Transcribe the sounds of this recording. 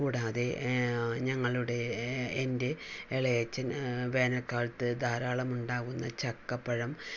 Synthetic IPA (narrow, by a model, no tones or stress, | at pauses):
kuːɽaːðe̞ | ɲɐŋːɐɭuɽe̞ːnde̞eɭɐjɐt͡ɕːɐnʋe̞ːnɐkːaːɭt̪ɨd̪aːɾaːɭɐmuɳɖaːɣunːɐt͡ɕɐkːɐpːɐɻɐm